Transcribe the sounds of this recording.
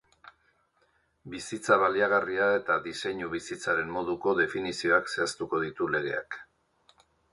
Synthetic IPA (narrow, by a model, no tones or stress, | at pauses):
bisit͡saβaliaɣ̞ariae̞t̪aðise̞ɲuβisit͡saɾe̞mmo̞ðuko̞ðe̞finisio̞akse̞ast̪uko̞ð̞it̪ule̞ɣ̞e̞̰ak